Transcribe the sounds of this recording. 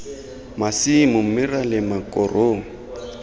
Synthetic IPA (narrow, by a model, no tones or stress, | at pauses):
masimʊm̩mɪralɪmakʼɔrʔoːŋ̩